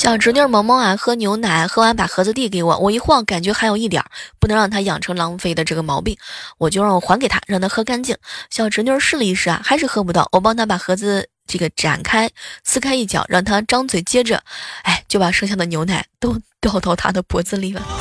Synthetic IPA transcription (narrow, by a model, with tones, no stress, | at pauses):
ɕjɑ˥˩ʊʈ͡ʂɻ̩˧˥njɔ˥˧mɑ˧˥ŋmɑ˥ŋa˨˩xɤ˧˥njo˧˥ʊna˨˩˦xɤ˥wa˧˥npa̰˨˩xɤ˧˥d͡zɹ̩˧t̪̬i˥˩k̬e˧˥ɪwɔ̰˨˦wɔ˨˩i˧˥xwɑ˥˩ŋka˨˩nt͡ɕɥɛ˧˥xa˧˥ɪjo˨˩ʊi˥˩t̪jɑ̰˨˩˦pu˥˩nɤ˧˥ŋɻɑ˥˩ŋt̪ʰa˥jɑ˨˩ŋʈ͡ʂʰɤ˧˥ŋlɑ˧˥ŋ˧fe˥˩ɪd̪ə˩ʈ͡ʂɤ˥˩ɡə˩mɑ˧˥ʊpi˥˩ŋwɔ˨˩t͡ɕjo˥˧ʊɻɑ˥˩ŋwɔ˨˩xwa˧˥nke˨˩ɪt̪ʰa̰˥ɻɑ˥˩ŋt̪ʰa˥xɤ˥ka˥nt͡ɕi˥˩ŋɕjɑ˥˩ʊʈ͡ʂɻ̩˧˥njɔ˥˧ʂɻ̩˥˩lə˧i˥˧ʂɻ̩˥˩ɐ̰˩xa˧˥ɪʂɻ̩˥˧xɤ˥p̬u˧˥t̪ɑ˥˩ʊwʔɔ˨˩p̬ɑ˥ŋt̪ʰa˥pa˨˩xɤ˧˥d͡zɹ̩˧ | ʈ͡ʂɤ˥˩ɡə˩ʈ͡ʂa̰˨˩nkʰa˥ɪsɹ̩˥kʰa˥ɪi˥˩t͡ɕʰjɑ̰˨˩˦ʊɻʔɑ˥˩ŋt̪ʰa˥ʈ͡ʂɑ˥ŋt͡swe˨˩ɪt͡ɕjɛ˥ʈ͡ʂə̰˨a˥˩ɪt͡ɕjo˥˩ʊpa˨˩ʂɤ˥˧ŋɕ̬jɑ˥˩d̪ə˩njo˧˥ʊna˧˩ɪt̪o˥ʊt̪jɑ˥˧ʊt̪ɑ˥˩ʊt̪ʰa̰˥d̪ə˨pwɔ˧˥t͡sɹ̩˥˧li˥˩bə̰˨˩